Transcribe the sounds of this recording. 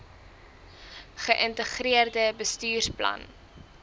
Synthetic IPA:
χəʔəntəχɾiərdəbəstyːrplɐ̰n

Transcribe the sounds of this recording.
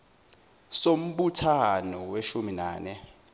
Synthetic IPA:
som̩ɓutʰanɔweʃuminaːnɛ

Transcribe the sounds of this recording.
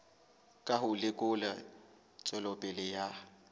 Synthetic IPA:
kʼaɦʊlɪkʼʊla | t͡sʼɔlɔpʼɛlɪja

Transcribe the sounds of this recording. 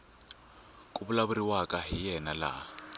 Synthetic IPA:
kʼuβulaβuɾiwakʼaɦijɛnala̰

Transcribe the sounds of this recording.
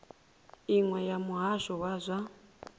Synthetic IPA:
iŋwɛjamuɦaʃɔwazʷa

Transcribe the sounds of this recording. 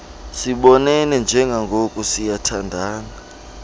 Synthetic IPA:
siɓɔnɛnɛnd͡ʒʱɛŋɡʱaŋɡʱokʼusijatʰandʱaːŋa

